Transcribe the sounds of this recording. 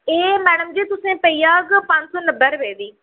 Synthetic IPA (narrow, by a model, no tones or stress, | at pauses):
eːmɛːɽəmd͡ʑiːt̪ʊsẽpɐiaːɡpãːɲsonɐbəɾʋeːd̪iː